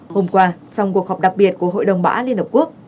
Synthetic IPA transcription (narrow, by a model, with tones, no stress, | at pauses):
ho˧mkwaː˧t͡ɕɔ˧wŋ͡mku˨˩ək̚hɔ˨˩p̚ɗa˨˩k̚ɓi˨˩ət̚ku˧˩əɦo̰˧˨jɗə˨˩wŋ͡mɓa̰ː˧˥li˧ənhə˨˩p̚ku˦˥ək̚